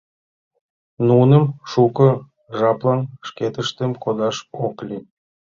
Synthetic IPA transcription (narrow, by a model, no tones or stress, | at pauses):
nunəmʃukɤ̆ | ʒɑplˠɑnʃket̪əʃt̪ə̆mkod̪ɑʃoklʲi